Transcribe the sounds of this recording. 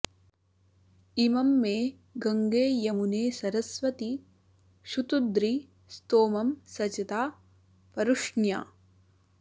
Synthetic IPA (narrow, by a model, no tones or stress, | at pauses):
imɐmːeː | ɡɐŋɡeːjɐmuneːsɐɾɐsʋɐt̪i | ʃut̪ud̪ɾi | st̪oːmɐmsɐt͡ʃɐt̪aː | pɐɾuʂɳja̰ː